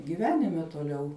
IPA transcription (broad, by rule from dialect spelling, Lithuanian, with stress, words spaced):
ɡʲɪˈʋʲæːnʲɪmʲɛ toːˈlʲɛʊ